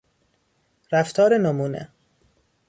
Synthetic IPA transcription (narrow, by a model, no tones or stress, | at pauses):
ɾæft̪ʰɒːɾenomuːnḛ